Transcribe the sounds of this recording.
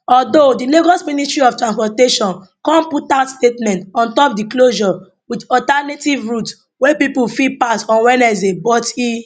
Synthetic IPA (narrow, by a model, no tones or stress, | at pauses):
ɔdodileɡɔsmĩnistɹiɔftɹãnspɔteʃɔ̃n | kɔ̃nputaʊtstetmɛ̃ntɔ̃ntɔp̚dikloʒɔ | widɔtanetivɹuts | wepipulfipasɔ̃nwɛ̃nɛzebɔti